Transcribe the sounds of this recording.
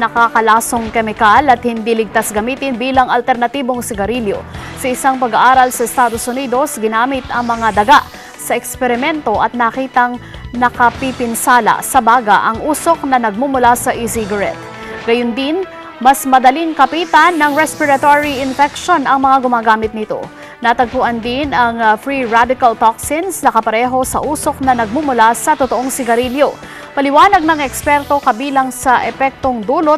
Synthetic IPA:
nɐkakɐlaːsoŋkɛmɪkalɐt̪̚hɪnd̪ilɪɡ̚t̪asɡɐmiːt̪ɪnbiːlɐŋʔɐlt̪ɛɾnɐt̪iːbo̞ŋsɪɡɐɾiljo̞̰sɐɪsaŋpɐɡɐʔaːɾɐlsɐɛst̪aːd̪osʊniːd̪o̞sɡɪnaːmɪt̪ɐŋmɐŋad̪ɐɡaʔ | sɐʔɛkspɛɾɪmɛnt̪o̞ʔɐt̪̚nɐkiːt̪ɐŋ | nɐkɐpipɪnsaːlɐ̰sɐbaːɡa̰ʔɐŋʔuːso̞k̚nɐnɐɡ̚mumʊlasɐʔɪsɪɡɐɾɛ̰t̪̚ | ɡɐjʊnd̪ɪn | mɐsmɐd̪ɐliŋkɐpiːt̪ɐnːɐŋɹɛspɪɾɐt̪oɹiɪnfɛkʃo̞nʔɐŋmɐŋaɡʊmaːɡaːmɪt̪̚nɪt̪o̞̰ | nat̪ɐɡ̚puʔɐnd̪ɪnɐŋfɹiɹad̪ɪkɐlt̪oksɪnsnɐkɐpɐɾɛːɦo̞sɐ̰ʔuːso̞k̚nɐnɐɡ̚mumʊlasɐt̪ot̪oʔoŋsɪɡɐɾiljo̞ | pɐlɪwaːnɐɡ̚nɐŋɛkspɛɾt̪o̞kɐbiːlɐŋsɐʔɛpɛk̚t̪o̞ŋd̪uːlot̪

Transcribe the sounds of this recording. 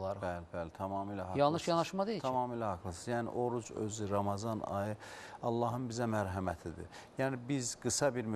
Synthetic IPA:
ɑɾbælɪbælet̪ʰɑmɑːmiːlæhɑjɑlˠnɯʃjɑnɑʃmɑd̪ejit̪ʰɑmɑːmiːlæhɑkʰlˠɯsɯzjæːnḭʔo̞ɾud͡ʒø̰ziɾɑmɑzɑnɑ̰jɯɑlˠːɑːɦɯnbizæmæɾɦæmæt̪ʰid̪ḭjæːnibizɡɯsɑbiɾm

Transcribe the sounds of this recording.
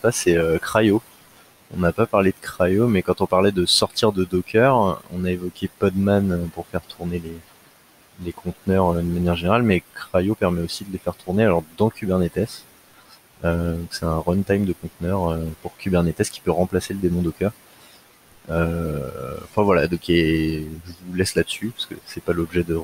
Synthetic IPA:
sasɛøkχajo | ɔ̰̃napapaʁled̪əkχajomɛkɑ̃t̪ɔ̃paʁlɛd̪əsɔʁt̪ʰiʁd̪əd̪ɔkʰʲœʁɔ̰̃naevɔkʲepɔd̪manøpuʁfɛʁt̪ʰuʁnele | lekʰɔ̃t̪nœʁød̪əmanjɛʁʒeneʁalmɛkχajopɛʁmɛosid̪əlefɛʁt̪ʰuʁnealɔʁd̪ɑ̃kʲʰybɛʁnet̪ɛs | ød̪ɔ̃ksɛt̪ɛ̃ʁɔnt̪ajmd̪əkɔ̃t̪nœʁøpuʁkʰʲybɛʁnet̪ɛskʲi̥pøʁɑ̃plaseləd̪emɔ̃d̪ɔkʲœʁ | ø | ɑ̃fɛ̃vwalad̪ɔ̃keʒəvulɛslad̪əsypḁskə̰sɛpalɔbʒɛd̪ə

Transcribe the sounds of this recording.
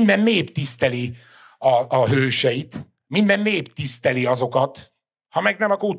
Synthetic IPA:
nd̪ɛmːeːpt̪ist̪ɛli | ɒːɦøːʃɛjit̪ | mind̪ɛmːeːpt̪ist̪ɛliɒzo̞kɒt̪ | hɒmɛɡnɛmɒkoː

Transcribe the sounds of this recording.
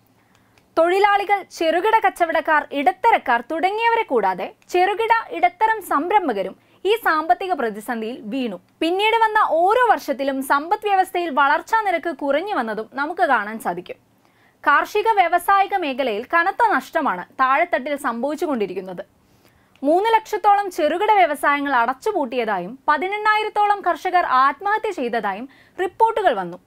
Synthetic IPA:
t̪o̞ɻilaːɭiɣɐɭt͡ɕe̞ruɣiɽɐkɐt͡ɕːɐʋiɽɐkːaːriɽɐt̪ːɐɾɐkːaːrt̪uɽɐŋːijɐʋɐɾe̞kːuːɽaːðe̞t͡ɕe̞ruɣiɽɐʔiɽɐt̪ːɐɾɐmsɐmbɾɐmbʱɐɣɐɾum | iːsaːmbɐt̪ːiɣɐprɐðisɐnd̪ʱijilʋiːɳu | pinːiːɽɨʋɐnːɐʔo̞ːɾo̞ːʋɐrʂɐt̪̬ːilumsɐmbɐt̪ːʋjɐʋɐst̪ʰɐjilʋɐɭɐrt͡ɕːaːniɾɐkːɨkurɐɲːɨʋɐnːɐðumnɐmukːɨkaːɳaːnsaːd̪ʱikʲːum | kaːrʂiɣɐʋjeʋɐsaːjiɣɐme̞ːkʰɐlɐjilkɐnɐt̪ːɐnɐʂʈɐmaːɳɨt̪aːɻet̪ːɐʈːilsɐmbʱɐʋit͡ɕːuɣo̞ɳɖiɾikʲːunːɐðɨ | muːnːɨlekʂɐt̪ːo̞ːɭɐmt͡ɕeruɣiɽɐʋjeʋɐsaːjɐŋːɐɭɐɽɐt͡ɕːupuːʈːijɐðaːjumpɐðinenːaːjiɾɐt̪ːoːɭɐmkʰɐrʂɐɣɐraːt̪mɐɦɐt̪jɐt͡ɕe̞jt̪ɐðaːjum | ripːo̞ːrʈːuɣɐɭʋɐnːu

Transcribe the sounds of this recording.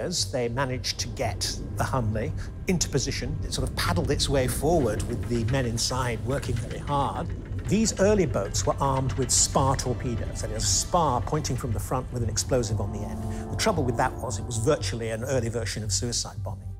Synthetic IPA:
zðeɪmænɨ̥d͡ʒtʰɨɡɛt̪̚ | ðəhʌ̃nli | ɪ̃ntʰʉ̥pɨzɪʃɨ̃nɨtsɔɹɾʌv̥pʰæɾl̩ˠdɨtsweɪfɔɹwə˞d̚wɪðɨmɛ̃ñɨ̃nsaɪd̚wɜ˞kʰɪ̃ŋvɛɹihɑɹd̪̚ðizɜ˞lˠiboʊtswə˞ʔɑɹmd̚wɨð̥spɑɹtʰɔɹpʰiɾo̰ʊsoɾɨɨzəspɑɹpʰɔ̃ɪ̃ntɪ̃ŋfɹʌ̃mðəfɹʌ̃nʔwɨðɨ̃nɨksploʊzɨṽn̩ðiɛ̃ndðətʰɹ̥ʌbl̩ˠwɨðəʔ̚wʌzɨt̚wʌzvɜ˞t͡ʃul̩ˠiɨ̃nɜ˞lˠivɜ˞ʃɨ̃nʌv̥sʉɨsaɪd̚bɑni

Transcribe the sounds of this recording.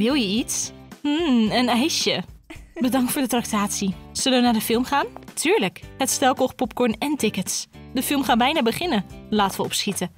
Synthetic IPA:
ʋɪlˠjəitsm̩ənɛjʃəbədɑŋtfʊːɹdətrak̚taːtsisɵləʋənaːɹdəfɪlˠmχaːntʰyːɹləkhətstɛlˠkɔχpɔp̚kɔɹnɛntɪkətsdəfɪlˠmχaːbɛjnaːbəχɪnəlaːtəʋəɔpsχitə

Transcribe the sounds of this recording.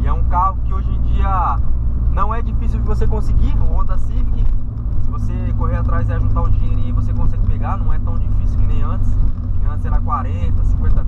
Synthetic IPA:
ɪɛũkaɦʊkɪoʒẽj̃d͡ʒiɐ | nɐ̃w̃ɛd͡ʒifisiwd͡ʒɪvosekõsɪɡiõd̪ɐsĩpkɪ | sɪvose | koɦeɾat̪ɾajzɛʒũt̪aʊ̃d͡ʒĩɲeɾĩvosekõsɛɡɪpeɡanɐ̃w̃ɛt̪ɐ̃w̃d͡ʒifisiwkɪnẽj̃ɐ̃t͡ʃɪ̥siɐ̃t̪seɾakwaɾẽt̪ɐsĩkwẽt̪ɐ

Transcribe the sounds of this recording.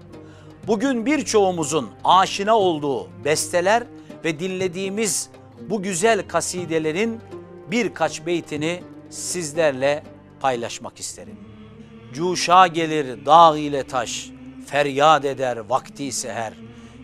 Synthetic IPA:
buɟynbiɾt͡ʃʰo̞umuzunaːʃɯnao̞lˠd̪uːbɛst̪ʰelʲæɾ | vɛd̪ilʲːe̞d̪iːmiz | buɟyzælʲkʰasiːd̪e̞lʲe̞ɾinbiɾkʰat͡ʃbe̞jt̪ʰinisizlʲæɾlʲɛ | pʰajlˠaʃmaki̥st̪ʰe̞ɾḭm | d͡ʒuːʃaːɟe̞lʲiɾd̪aːɣijlʲɛt̪ʰaʃfæɾjaːd̪e̞d̪æɾvakt̪ʰiːseɦæɾ

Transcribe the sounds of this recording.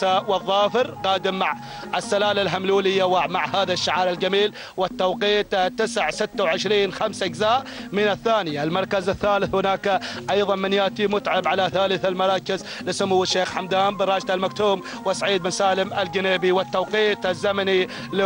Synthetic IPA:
awɨðˤːɑːfɪɾqɑːd̪ɪmːaʕ | ɪsːalaːlalɦamluːlɪjːawmaʕhaːðaʃːaʕaːɾˤɪld͡ʒamiːl | wɪt̪ːawqiːt̪t̪ːɪsʕsɪt̪ːawʕɪʃɾiːnxamsʔɪɡzaːʔmɪnɪθːaːnialmɑɾˤkazɪθːaːlɪθhʊnaːkʔɑjðˤɑnmɪnjaːt̪imʊt̪ʕabʕalaθaːlɪθalmɑɾˤɑːkɪz | lɪsʊmuwːɪʃːeːxħamd̪aːmbɪɾˤɑːd͡ʒt̪almakt̪uːm | wɪsaʕiːd̪̚mɪnsaːlɪmɪlɡɪneːbiwɪt̪ːawqiːt̪ɪzːamani | l

